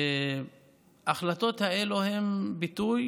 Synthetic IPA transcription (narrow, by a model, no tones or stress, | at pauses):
e | aχlat̪o̞t̪haeluhe̞mbit̪uj